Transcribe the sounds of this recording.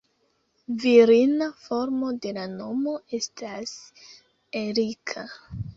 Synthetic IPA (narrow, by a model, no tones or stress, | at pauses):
viɾinafo̞ɾmo̞de̞lano̞mo̞e̞stʰas | eɾikʰa